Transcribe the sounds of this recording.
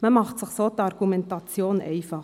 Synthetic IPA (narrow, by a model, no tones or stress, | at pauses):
məmɑχtsɪxsoːt̪ɑʁɡumɛntɑt͡sjoːnʔɛ̰ɪfɑχ